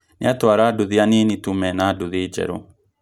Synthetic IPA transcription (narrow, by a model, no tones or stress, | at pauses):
nḛatwaɾaːduðeanenitumɛnadoðeːd͡ʒɛ̰ɾo